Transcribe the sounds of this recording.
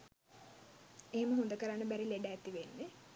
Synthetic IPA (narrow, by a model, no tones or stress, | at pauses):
eɦeməɦond̪əkəɾanːəbæɾileɖaːt̪iʋenːe